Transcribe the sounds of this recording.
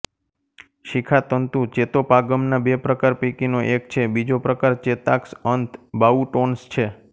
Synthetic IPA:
ʃikʰat̪ənt̪ũt͡ʃet̪opaɡəmnabepɾəkaɾpikinoʔek̚t͡ʃʰebid͡ʒopɾəkaɾt͡ʃet̪aksənt̪ʰbauʈonst͡ʃʰe

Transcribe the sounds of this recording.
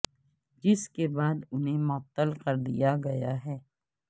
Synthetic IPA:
d͡ʒɪskebaːd̪ʊnɦemɔt̪ːəlqɐɾd̪ḭjaɡɐjaɦɛː

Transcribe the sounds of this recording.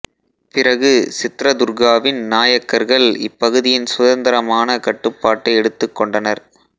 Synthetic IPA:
pɪrɐɣɯsɪt̪ːɾɐd̪ʊɾɣaːʋɪnnaːjɐkːɐɾɣɐɭɪpːɐɣɯðɪjɪnsʊðɐnd̪ɐɾɐmaːnɐkɐʈːɯpːaːʈːɐɪɛɽɯt̪ːɯkːɔɳɖɐnɐɾ

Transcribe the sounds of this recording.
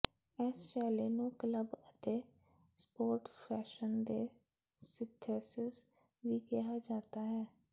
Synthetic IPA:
ɛːsʃɛːleːnũːkləbət̪eː | spoːɾʈspʰɛːʃənd̪ḛː | sɪt̪ʰːeːsɪz | ʋiːkɛɦaːd͡ʒaːt̪aːɦɛː

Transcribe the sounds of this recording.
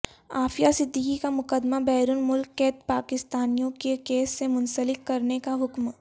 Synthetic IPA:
aːfijasɪd̪ʱːikikamʊkəd̪mabɛːɾʊnmʊlkːeːt̪paːkɪst̪aːnijõkekeːsːemʊ̃nsəlɪkːɐɾnekaɦʊkm

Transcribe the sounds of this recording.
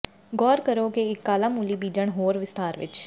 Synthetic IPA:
ɡɔːɾkəɾoːkeɪkːaːlaːmuːliːbiːd͡ʒəɳɦoːɾʋɪst̪aːɾʋɪ̰t͡ʃ

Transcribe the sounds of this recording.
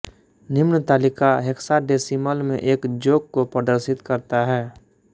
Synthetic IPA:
nɪmnət̪aːlɪkaɦɪksaɖeːsiməlmḛ̃ʔeːkd͡ʒoːɡ̚kopɾəd̪əɾsɪt̪kəɾt̪aɦɛː

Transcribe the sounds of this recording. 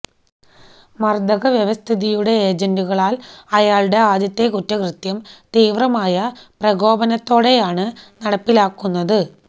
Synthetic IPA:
mɐrd̪ɐɣɐʋjɐʋɐst̪ʰiðijuɽe̞eːd͡ʑɐnduɣɐɭaːlɐjaːɭɖe̞aːd̪jɐt̪ːe̞kutːɐkrɨt̪jɐmt̪iːʋrɐmaːjɐprɐɣo̞ːbɐnɐt̪ːo̞ːɽe̞jaːɳɨnɐɽɐpːilaːkːunːɐðɨ

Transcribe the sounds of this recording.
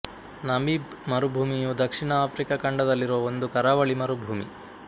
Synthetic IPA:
nɐmib | mɐɾubʱuːmijud̪ɐkʂiɳɐaːpʰɾikɐkɐɳɖɐd̪ɐlːiɾoond̪ukɐɾaːʋɐɭimɐɾubʱuːmḭ

